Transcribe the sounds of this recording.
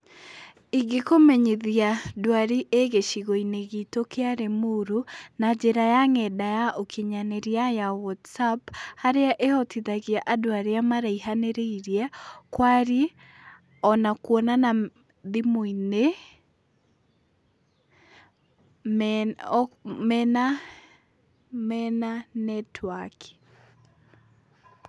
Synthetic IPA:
iɡekomɛɲeðiadwaɾiʔeɣeʃiɣoineɣitokʰeaɾemuɾunad͡ʒeɾajaŋɛdajaʔokʰiɲaneɾiajawɔtsaphaɾeaʔeɔtiðaɣiaʔadwaɾeamaɾaiɦaneɾeiɾjakwaɾi | ɔnakwɔnana | ðimoine | mɛna | mɛnanɛtʰwaki̥

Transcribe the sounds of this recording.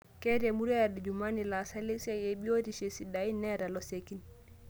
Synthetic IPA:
kɛdɛmuɾɛadɛd͡ʒumanilasalisɛeɓijodiʃesidainːɛɾalɔsekin

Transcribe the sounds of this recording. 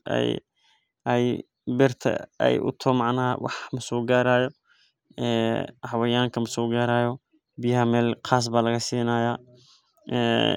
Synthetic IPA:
ɛ̰j | ɛj | bɪrt̪ʰɐ̰ɛ̰jʔʊ̰t̪ʰɔmɑʕnɐːɐ̰wɑħmɐsuːɡaːɾaːjɔ | ɛːhɑwɐjaːŋkʰɐmɐsuːɡaːɾaːjɔ | bɪjɪɦɐmɛːlqɑːs̬baːlɐɣɐsiːnaːjaː | ɛː

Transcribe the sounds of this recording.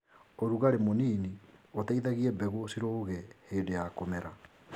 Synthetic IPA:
oɾuɣaɾemoniːniotaiðaɣiɛbɛɣosiɾoɣɛheːdejakomɛɾa

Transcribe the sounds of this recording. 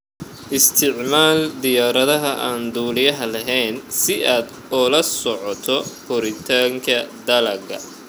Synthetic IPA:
ʔɪst̪ʰɪʕmaːld̪ɪjaːɾɐðɐɦɐʔaːnd̪uːlɪjɐɦɐlɐɦɛːnsɪʔaːd̪ | ɔːlɐsɔʕɔt̪ʰɔhʊɾɪt̪ʰaːŋkʰɐd̪ɐlɐɡɐ̰

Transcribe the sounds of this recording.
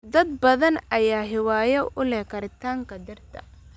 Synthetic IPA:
d̪ɐd̪̚bɐðɐnɐjaːɦɪwaːjɐʔʔʊlɛhkʰɐɾɪt̪ʰaːŋkʰɐd̪ɐrt̪ʰɐ̰

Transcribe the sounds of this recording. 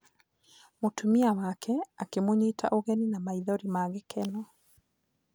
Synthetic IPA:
motʰumiawakʰɛakemoɲeːtʰa̰ʔoɣɛninamaiðɔɾimaːɣekʰɛnɔ

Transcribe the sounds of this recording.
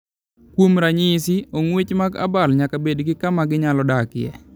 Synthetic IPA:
kwomɾaɲɪsɪoŋwet͡ʃmaɡa̰balɲakabedɡɪkamaɡɪɲalɔdakɪɛ̰

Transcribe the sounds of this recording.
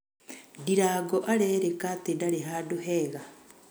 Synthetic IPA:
diɾaːɡoʔaɾeɾekatedaɾeɦaduheːɣa

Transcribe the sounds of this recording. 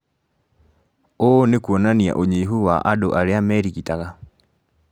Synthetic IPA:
onekuɔnania̰ʔoɲeiɦuwaʔadoʔaɾeamɛɾikitaɣa

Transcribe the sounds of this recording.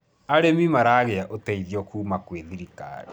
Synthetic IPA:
aɾemimaɾaːɣeaʔotɛiðjɔkuːmakweðiɾika̰ɾe

